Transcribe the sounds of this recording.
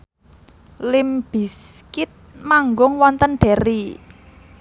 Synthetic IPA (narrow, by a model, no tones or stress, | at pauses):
lɪmb̥i̤skɪt̪̚maŋɡʊŋwɔnt̪ənɖ̥ɛ̤ɾi